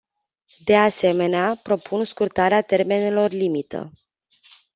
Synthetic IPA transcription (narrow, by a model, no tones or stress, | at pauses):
d̪e̞ase̞me̞neapɾo̞pʰunskurt̪aɾeat̪e̞rme̞nelo̞rlimit̪ə̰